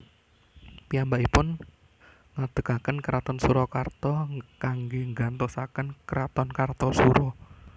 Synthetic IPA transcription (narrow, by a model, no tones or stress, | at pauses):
piambaʔipʊn | ŋad̪̥ə̤kakənkəɾat̪ɔnsuɾɔkart̪ɔkaŋɡeŋɡant̪ɔsakənkəɾat̪ɔnkart̪ɔsuɾɔ